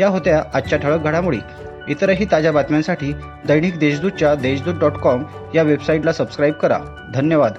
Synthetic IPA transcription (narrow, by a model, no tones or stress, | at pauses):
jaɦot̪jaʔat͡ɕaʈ̪ʰəɭək̚ɡʱaɽamuɭḛ | it̪əɾəɦiːt̪ad͡ʑabat̪mjãnsaʈʰiː | d̪əjɽ̃iːkd̪eɕd̪ud̪̚t͡ɕjad̪eɕd̪uːt̚ɖɔʈkɔm | jaʋebsaiʈlasəbskɾajb̚kəɾa̰ | d̪ʱənjəʋad̪